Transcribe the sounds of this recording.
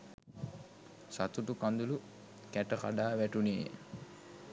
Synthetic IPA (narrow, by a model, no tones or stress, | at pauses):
sat̪uʈukand̪ulu | kæʈəka̰ɖaːʋæʈuneː